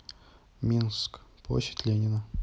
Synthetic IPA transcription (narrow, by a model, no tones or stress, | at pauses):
mʲinskp̪o̰ɕɪ̥tʲlʲenʲɪnə